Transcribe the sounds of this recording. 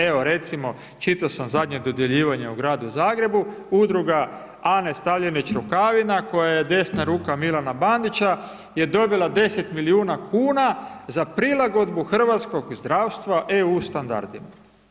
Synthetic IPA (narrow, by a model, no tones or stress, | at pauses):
eʋo̞ɾe̞t̪simo̞ | t͡ʃit̪asamzad̪ɲe̞d̪o̞d̪je̞ʎiːʋaɲeuɡɾaːd̪uzaːɡɾe̞buud̪ɾuɡa | anest̪aʋʎenit͡ʃɾukaʋinako̞jaje̞d̪e̞snaɾuːkamilanaband̪it͡ɕa | je̞d̪o̞bilˠad̪e̞se̞t̪miliuːnakuːnazapɾilˠaɡo̞d̪buxr̩ʋat̪sko̞ɡzd̪ɾaːwst̪ʋaʔeust̪and̪a̰ɾd̪ima